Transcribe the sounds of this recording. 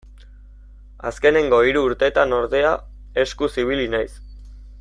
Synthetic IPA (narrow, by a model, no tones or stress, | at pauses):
a̰ske̞ne̞ŋɡo̞iɾuːɾt̪e̞t̪ano̞ɾðe̞a | e̞skusiβ̞ilinajs